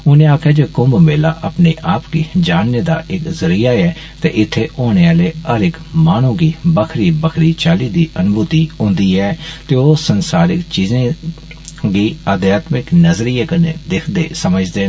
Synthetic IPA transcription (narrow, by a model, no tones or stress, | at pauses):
ʊnẽːaːpkɛːd͡ʒoːkʊmbmeːlaːʔəpneːʔaːpkiːd͡ʒaːneːd̪a̰ːʔɪkzəɾiːaːɛː | t̪ḛːʔɪt̪ʰːeːʔoːñeːaːleːəɾɪkmaːñũõːɡiːbəkʰɾiːbəkʰɾiːt͡ʃaːliːd̪iːʔənʊbuːt̪iːɦʊ̃ːnd̪iːɛːt̪eːoːsənsaːɾɪkt͡ʃiːzẽː | ɡiːəd̪jaːt̪mɪknəzɾiːeːkənḛːd̪ɪkʰd̪eːsəməd͡ʒd̪eː